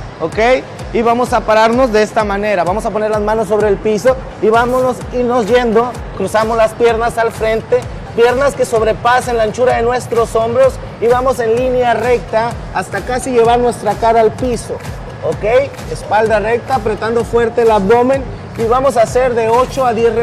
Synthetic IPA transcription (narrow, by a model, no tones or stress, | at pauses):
okej | iβamo̞sapaɾaɾno̞zðe̞est̪amane̞ɾaβamo̞sapone̞ɾlazmãno̞s̬ːo̞βɾe̞ːlpiso̞ | iβamonosiɾno̞zʝe̞nd̪o̞ | kɾusamo̞zlaspje̞ɾnasalfɾe̞nt̪e̞ | pje̞ɾnaske̞so̞βɾe̞pasenlant͡ʃuɾaðe̞nwe̞st̪ɾo̞so̞mbɾo̞s | iβamo̞se̞nlinjare̞k̚t̪aː | st̪akasiʝe̞βaɾnwe̞st̪ɾakaɾaːlpiso̞ | okej | espald̪are̞k̚t̪apɾet̪and̪o̞fwe̞ɾt̪elaβd̪o̞mẽ̞n | iβamo̞sase̞ɾðe̞o̞t͡ʃo̞aðjesr